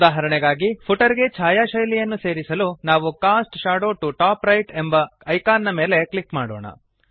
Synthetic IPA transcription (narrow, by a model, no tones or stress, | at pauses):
d̪aːɦɐɾɐɳɛɡaːɡipʰuʈɐɾiɡe̞t͡ʃʰaːjaːʃɐjlijɐnːuse̞ːɾisɐlunaːʋukaːsʈʃaːɽoːʈuʈaːpɾɐjʈembɐɐjkaːnːɐme̞ːle̞klikmaːɽoːɳɐ̰